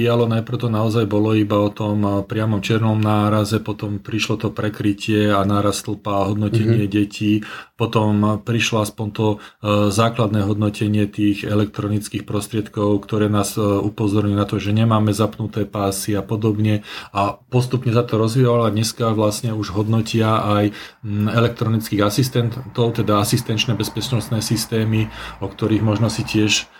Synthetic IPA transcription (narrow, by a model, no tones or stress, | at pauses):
ijalɔnajpɾ̩ʊt̪ɔnaɔzajbɔlɔibaɔt̪ɔmpɾɪamɔmt͡ʃɪɛɾnɔmnaːɾazɛpɔt̪ɔmpɾiʃlɔt̪ɔpɾɛkɾicɪɛanaːɾast̪l̩paɦɔd̪nɔcɛɲɪɛɟɛcʰiːpɔt̪ɔmpɾiʃlɔaspɔnt̪ɔzaːklad̪nɛːɦɔd̪nɔcʰɛɲɪɛt̪iːɣɛlɛk̚t̪ɾɔnit͡skiːxpɾɔst̪ɾɪɛt̪kɔʊkt̪ɔɾɛːnaːzupɔzɔɾɲunat̪ɔʒɛɲɛmaːmɛzapnut̪ɛːpaːsiapɔd̪ɔbɲɛapɔst̪upɲɛsat̪ɔɾɔzʋiɔʋalad̪ɲɛskaʋlasɲɛuʒɦɔd̪nɔcɪaajɛlɛk̚t̪ɾɔnit͡skiːɣasist̪ɛnt̪ɔʊt̪ɛd̪aasist̪ɛnt͡ʃnɛːbɛspɛt͡ʃnɔst̪nɛːsist̪ɛːmiɔkt̪ɔɾiːɣmɔʒnɔsicɪɛʃ